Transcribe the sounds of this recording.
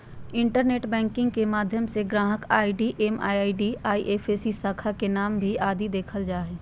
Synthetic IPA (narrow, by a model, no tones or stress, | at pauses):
ɪ̃ɳʈəɾneːʈbɛ̃ːŋkɪ̃ŋɡ̚kemaːd̪ʱjəmseɡɾaːɦəkaːiɖiʔeːma̰ːjaːiɖiaːiʔeːpʰeːsisaːkʰakenaːmbʱiaːd̪id̪eːkʰəld͡ʒaːɦeː